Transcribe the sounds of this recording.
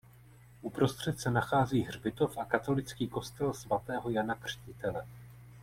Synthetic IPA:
ʔupɾo̞st̪r̝̥ɛt̪sɛnaxaːziːɦrbɪt̪o̞fʔakat̪o̞lɪt͡skiːko̞st̪ɛlsvat̪ɛːɦo̞janakr̝̥cɪt̪ɛlɛ

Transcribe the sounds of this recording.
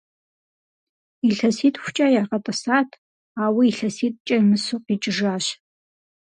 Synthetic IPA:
iɬɐsiːtʼxʷʊ̥t͡ʃʼɐjarqɐtʼɐsaːtʰ | aːwiiɬɐsiːt̚ʼt͡ʃʼɐmɨsʊqiːt͡ʃʼɪʒaːɕ

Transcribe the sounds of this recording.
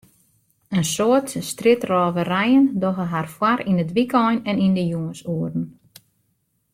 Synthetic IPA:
ənsoətstrɪtrɔːvərɛjəndɔɣəɦarfwaɾindədʋikɔjnɛnindəjuŋəsuərdn̩

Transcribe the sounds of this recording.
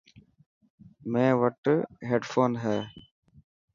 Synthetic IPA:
mẽːʋəʈɦeːɖfʰoːnɦɛː

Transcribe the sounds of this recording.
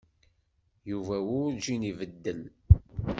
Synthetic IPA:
juvæwʊɾd͡ʒinivəd̪ːən

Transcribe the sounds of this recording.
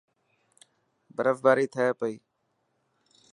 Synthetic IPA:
bəɾəfb̪aːɾiːt̪ʰəeːpəiː

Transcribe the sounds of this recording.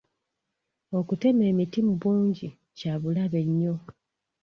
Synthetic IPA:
o̞kute̞me̞ːmitimuβuːɲɟi | caβulaβe̞ɲːo̞

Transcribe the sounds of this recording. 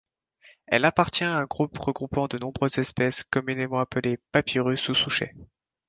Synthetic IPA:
ɛ̰lapaʁt̪jɛ̃aɛ̃ɡʁupʁəɡʁupɑ̃d̪ənɔ̃bʁøzɛspɛskɔmynemɑ̃apəlepapʰiʁysusuʃḛ

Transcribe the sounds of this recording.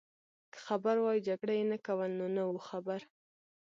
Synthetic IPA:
kə̥xabaɾwɑjid͡ʒaɡɽajenakawəlnonawuxabaɾ

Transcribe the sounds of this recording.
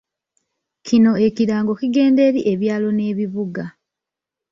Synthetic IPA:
cʰino̞ekiɾaːŋɡo̞kiɡe̞ːnde̞ɾiʔe̞βjaːlo̞ne̞ːβiβuɡa

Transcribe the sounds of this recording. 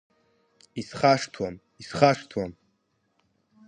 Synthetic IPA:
isχaʂtʰwam | isχaʂtʰwam

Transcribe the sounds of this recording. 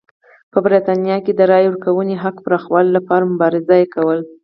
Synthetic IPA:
pəbɾit̪ɑnjɑked̪əɾɑjʊɾkawəneɦaqpɾɑxwɑllapɑɾamʊbɑɾɪzajekawəl

